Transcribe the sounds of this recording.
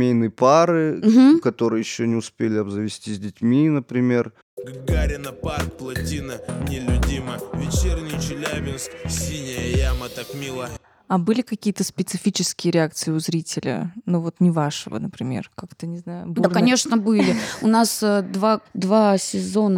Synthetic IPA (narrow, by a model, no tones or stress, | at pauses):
mʲejnɨjəpaɾɨm̩m̩kɐt̪o̞ɾɨjəjɪɕːonʲɪʊspʲelʲɪɐbzəvʲɪsʲtʲizʲdʲɪtʲmʲinəpɾʲɪmʲe̞r | ɡɡaɾʲɪnəparkplˠɐtʲinənʲɪlʲʊdʲiməvʲɪt͡ɕernʲɪjt͡ɕɪlʲæbʲɪnsksʲinʲɪjɐjamət̪ɐkmʲilˠə | abɨlʲɪkɐkʲijət̪əspʲɪt̪sɨfʲit͡ɕɪskʲɪjəɾʲɪak̚t̪sɨɪʊzɾʲitʲɪlʲə̰nuvo̞t̪nʲɪvaʂəvə̰nəpɾʲɪmʲe̞̰rkakt̪ənʲɪznajʊ̰bduarnkɐnʲe̞ʂnəbɨlʲɪʊnasəd̪vad̪vasʲɪzo̞nə